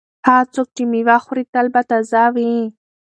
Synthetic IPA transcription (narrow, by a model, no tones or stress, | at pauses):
hat͡sʊk̚ʈ͡ʂimɪwaχɾɪt̪albat̪azawi